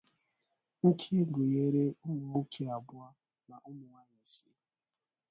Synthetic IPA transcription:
ŋ̩˦kʰi˦ɡo˨je˦ɾe˦ʊ˦mʊ˨o˦tʰe˦a˨bʊ˦a˦ | na˨ʔʊ˦mʊ˨ŋa˦ɲe˨si˦

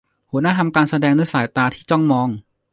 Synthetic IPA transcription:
hu˨˩˦naː˥t̪ʰa˧mkaː˧nsa˧dɛː˧ŋnɯ˧˥saː˩˦jt̪aː˧t̪ʰiː˥˩t͡ɕɔ˥˩ŋmɔː˧ŋ

